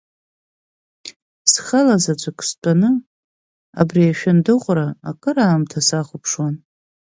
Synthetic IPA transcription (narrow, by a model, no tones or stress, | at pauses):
sχalazad͡ʒʷʰʼakʰʼst͡pʼanɨ | a̰briaʃᶣandɨqʷʼraːkʼɨɾaːmtʰasaχʷʊpʰʂwan